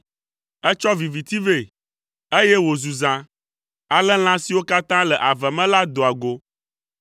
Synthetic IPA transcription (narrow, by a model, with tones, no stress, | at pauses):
ɛ˦t͡ʃɔ˦vi˨vi˨t̪i˦ve˦˨ | e˦jɛ˦wo˨zu˨zã˨ | a˨lɛ˦l̃ã˦si˨wo˦ka˦t̪ã˦lɛ˨ʔa˨vɛ˨mɛ̃˦la˦d̪o˨a˨ɡo˨